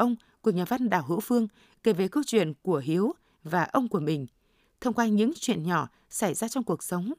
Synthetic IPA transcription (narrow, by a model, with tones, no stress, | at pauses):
ʔə˧wŋ͡m | ku˧˩əɲaː˨˩va˧nɗa̰ː˧˨˩wɦɨ̰˧˥fɨ˧əŋ | ke˧˩ve˨˩kə˧wt͡ɕwḭ˧˨ənku˧˩əɦi˨˦ə˦w | vaː˨˩ʔə˧wŋ͡mku˧˩əmï˨˩ŋ̟ | t̪ʰə˧wŋ͡mkwaː˧ɲɨ̰˧˥ŋt͡ɕwḭ˧˨ənɲɔ˧˩ | sa˧˩jzaː˧t͡ɕɔ˧wŋ͡mku˨˩ək̚sə˨˦wŋ͡m